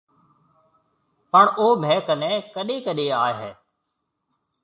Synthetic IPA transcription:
pəɳoːbʱɛːkənɛ̃ːkəɗeːkəɗeːaːɦɛː

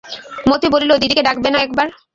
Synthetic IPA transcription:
mot̪ibolileod̪id̪ikeɖak̚benaɛk̚baɾ

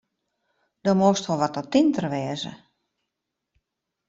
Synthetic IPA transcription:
d̥omostʋɔlˠʋɔtɔtintərʋɪəzə̰

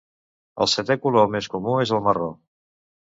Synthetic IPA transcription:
ə̰lˠsət̪ɛkulolˠmeskumuezəlˠməro

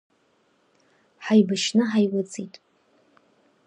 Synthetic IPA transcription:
ħajbaʃnɨħajwat͡sʼitʼ

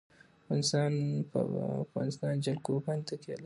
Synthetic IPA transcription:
aɣɑnɪst̪ɑnpa̰fɣɑ̰nɪst̪ɑnd͡ʒalkopant̪akela

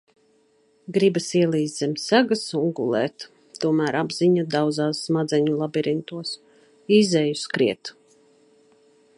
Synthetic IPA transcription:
ɡɾibasiɛlˠiːzd̪zɛmʲsæɡasuŋɡṵlˠɛ̰ːt̪ | t̪ːuɔmæːɾabz̥iɲad̪awd̪zaːsːmad̪zɛɲulˠabiɾint̪uɔs | iːzɛjuskɾiɛt̪

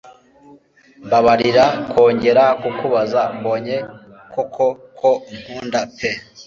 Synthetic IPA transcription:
baβaɾiɾakʰo̞ːɲɟe̞ɾakukuβazambo̞ɲe̞ | kokʰokʰom̥huːndape

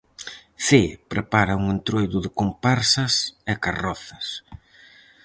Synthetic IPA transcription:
θepɾepaɾauŋent̪ɾojðʊðɪkompaɾsɐsekarɔθɐs

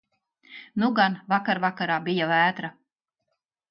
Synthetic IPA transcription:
nuɡanvakaɾvakaɾaːbijavæːt̪ɾa

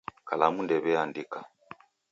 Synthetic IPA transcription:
kalamundɛβɛandika

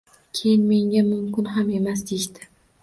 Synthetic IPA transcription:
kʲʰe̞jɪnme̞ŋɡʲamʊmkʲɪnɦame̞masd̪eʃt̪ɪ̥

